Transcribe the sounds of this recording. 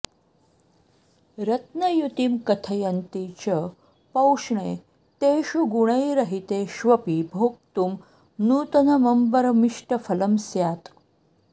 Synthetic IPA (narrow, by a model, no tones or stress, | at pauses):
ɾɐt̪nɐjut̪imkɐt̪ʰɐjɐnt̪it͡ɕɐ | pɐwʂɳe | t̪eːʃuɡuɽ̃ɐjɾɐɦit̪eːʃʋɐpibʱoːk̚t̪um | nuːt̪ɐnɐmɐmbɐɾɐmiʂʈɐfʰɐlɐmsjaːt̪